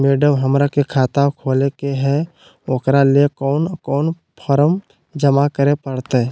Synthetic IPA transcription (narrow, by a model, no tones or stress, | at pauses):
meːɖəmɦəmɾakekʰaːt̪akʰoːlekeɦɛ | okɾaliekɔːnkɔːn | pʰɔɾəm | d͡ʒəmakəɾepəɽt̪eɛ